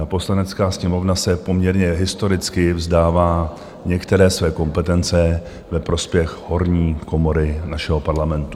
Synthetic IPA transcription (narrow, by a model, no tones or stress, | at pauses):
apo̞slanɛt͡skaːsɲɛmo̞vnasɛpo̞mɲɛɾɲɛɦɪst̪o̞ɾɪt͡skɪvzdaːvaː | ɲɛkt̪ɛɾɛːsvɛːko̞mpɛt̪ɛnt͡sɛ | vɛpɾo̞spjɛxho̞ɾɲiːko̞mo̞ɾɪnaʃɛɦo̞paɾlamɛnt̪u